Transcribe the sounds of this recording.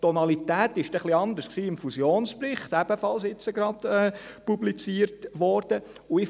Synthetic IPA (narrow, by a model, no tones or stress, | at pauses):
t̪ːɔnɑlit̪æːt̪ɪʃd̥ɛχliɑnd̪əsksiːɪmfusjoːnsprɪχt̪æb̥əfɑlsɪt͡səɡɾɑd̥ɛpublit͡siːəɾtʋɔɾd̥ə | ʊɪ